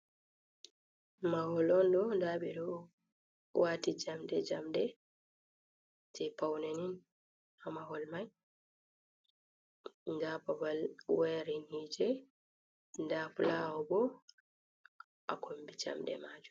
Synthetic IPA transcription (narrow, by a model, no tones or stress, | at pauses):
mahɔlɔndɔndabɛdɔ | waːtid͡ʒamdɛd͡ʒamdɛ | tʰɛpawnenin | amahɔlmaj | nɡabawalwɛɾinid͡ʒɛ | ndafulawɔbɔ | ʔa̰kombid͡ʒa̰mdɛ̰maːd͡ʒum